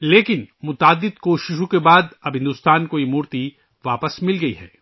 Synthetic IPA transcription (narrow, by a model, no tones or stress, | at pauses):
leːkɪnmʊt̪aːd̪ːɪd̪koːʃɪʃõkebaːd̪ɐbʱɦɪ̃nd̪uːst̪aːnkoːimʊɾt̪i | ʋaːpəsmɪlɡɐḭɦɛ̰ː